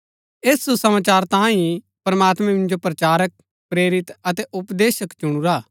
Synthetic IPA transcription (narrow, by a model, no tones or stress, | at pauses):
eːsːusɐmaːt͡ʃaːɾt̪ãːĩ | pɾɐmaːt̪mɛ̃mɪ̃nd͡ʒopɾɐt͡ʃaːɾək̚ | pɾeːɾɪt̪ɐt̪ɛʔʊpd̪eːʃəkt͡ʃʊɽ̃uɾaː